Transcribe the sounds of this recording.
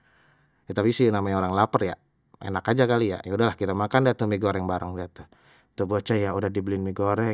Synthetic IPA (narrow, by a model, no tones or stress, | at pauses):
at̪apisinamaɲaoɾaŋlapərja̰ | ḛnakad͡ʒakalija̰jaudahlahkit̪amakandiat̪umiɡoɾɛŋbaɾaŋdiat̪u | t̪ubot͡ʃajaudahdiblinmiɡoɾɛ